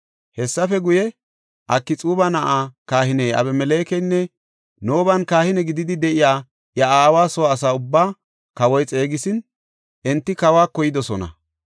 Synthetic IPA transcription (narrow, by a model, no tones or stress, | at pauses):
hɛsːɐfɛɡʊjɛ | ʔɐkːɪt͡sʼuːbɐnɐʔaːkaːhɪneɐ̰bɛmɛle̞ːkɛnːɛ | no̞ːbɐnkaːhɪnɛɡɪd̪ɪd̪ɪd̪ɛʔɪjaː | jɐaːwaːsɔwːs̬aːʊbːaː | kɐwɔjt͡sʼe̞ːɡɪsɪn | ʔɛnt̪ːɪkɐwaːkɔjɪd̪ɔsɔnɐ̰